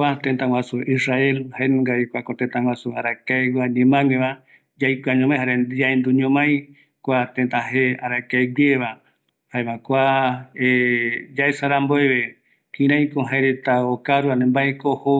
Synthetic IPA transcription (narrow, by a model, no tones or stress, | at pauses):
at̪ẽnt̪ãwʷasuʔisrae̞lhaenũŋɡaekʷakot̪ent̪ãwʷasuaɾakaewaɲẽmãŋẽβa | d͡ʒajkʷaɲõmãj̃ɦaɾenaend̪uɲõmãj̃ | kʷat̪ẽnt̪aɦeaɾakaeɡʷeβa | haeβakʷaed͡ʒaesaɾamboeβe | kĩɾãj̃koɦaeɾet̪aokaɾuanẽmbaekoho